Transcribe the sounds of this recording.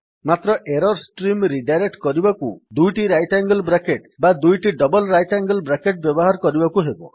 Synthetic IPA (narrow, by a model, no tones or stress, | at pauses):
mat̪ɾɔʔeɾɔɾsʈɾimɾiɖajɾek̚ʈkɔɾibɔkud̪ujʈiɾajʈaŋɡɔlbɾakeʈ̚bad̪ujʈiɖɔbɔlɾajʈaŋɡɔlbɾakeʈ̚bjɔbɔɦaɾɔkɔɾibɔkuɦebɔ